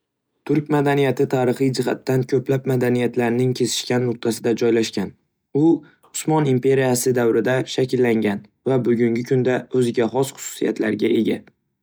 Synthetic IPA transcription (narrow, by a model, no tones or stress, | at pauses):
t̪ʰʊɾkʲmad̪anijat̪ʰɪt̪ʰaːɾɨχɨjd͡ʒɪɦat̪ːankʲʰɵplap̚mad̪anijat̪laɾnɪŋkʲʰe̞zɪ̥ʃkʲanːʊq̚t̪ʰasɪd̪ad͡ʒɒjlaʃkʲan | ʊ | ʊsmɒnimpʰe̞ɾijasɪd̪awɾɪd̪aʃakʲɪlːaŋɡʲan | vabʊɡʲʊŋɡʲɪkʰʊnd̪aɵzɪɡʲaχɒsχʊ̥sʊ̥sija̰t̪ʰla̰ɾɡʲae̞ɡʲa